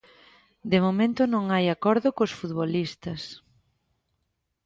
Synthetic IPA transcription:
d̪emomẽnt̪ʊnõŋajakɔɾðʊkosfut̪βolist̪ɐs

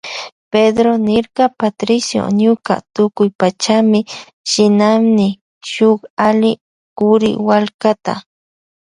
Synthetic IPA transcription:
ped̪ɾonɪɾqɑpat̪ɾɪsjo̰ɲʊka̰t̪ʊkʊjpat͡ʃamɪ | ʃɪnamnɪ | ʃʊχalɪ | kʊɾɪ̰walkat̪a̰

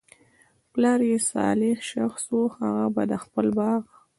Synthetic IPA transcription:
plɑɾjesɑ̰lɪxʃaxswoxaɣaba̰d̪axpəlbɑɣ

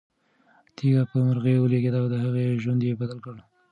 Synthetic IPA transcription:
t̪iɡapəmaɾɣewəleɡed̪awd̪əhaɣeʒwand̪jebad̪alkəɽ

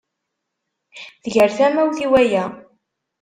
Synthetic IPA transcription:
ðəʝəɾθæmæwθiwæjæ

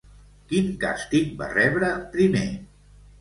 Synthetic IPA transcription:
kiŋka̰st̪ik̚ba̰rɛβɾəpɾimḛ

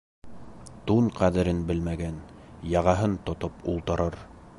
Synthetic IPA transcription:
t̪uɴqæðɘ̆ɾɘnbɘlmæɡænjɑʁɑɦɤnt̪ŏt̪opṵlˠt̪ɤ̆ɾɤɾ

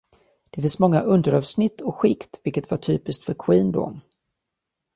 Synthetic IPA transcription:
d̪̥ɛfɪnsmɔŋːaʔɵnd̪əɾɑːvsnɪt̪ʰːɔɧɪkt̪vɪlkət̪vaʈʰyːpɪst̪fœɾkʰwiːnd̪ɔ̰m

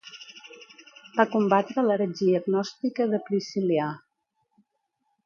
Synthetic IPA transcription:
b̥akumbat̪ɾələɾəd͡ʒiəɡnɔst̪ikəðəpɾisilia

